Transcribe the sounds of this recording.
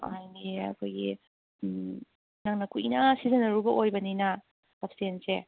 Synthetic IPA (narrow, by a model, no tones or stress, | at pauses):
a̰jniɐ̰kʰojɡi | naŋnɐkuinɐsizɐnɐɾubɐʔojbɐninɐ | sapstense